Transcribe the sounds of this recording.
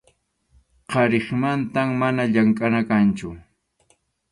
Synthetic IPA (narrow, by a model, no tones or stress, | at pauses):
qɑɾɪχmant̪amːanaʎaŋkʼanakant͡ʃʊ